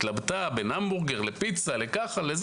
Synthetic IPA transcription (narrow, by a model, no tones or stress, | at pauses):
t̪labt̪abenambuʁɡeʁle̞pit͡sale̞kaχalez